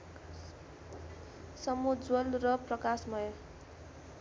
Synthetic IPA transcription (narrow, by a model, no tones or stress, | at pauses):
sʌmud͡zwolrʌprʌkasmʌjʌ